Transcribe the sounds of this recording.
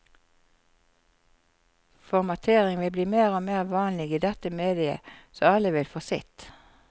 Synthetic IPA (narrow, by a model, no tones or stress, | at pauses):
fɔʁmɑt̪ʰeːʁɪŋʋɪbliːmeːʁoːmeːʁʋɑːnlɪɡiːd̪ɛt̪əmeːd̪ɪə̰soːɑləʋɪlfosɪ̰t̪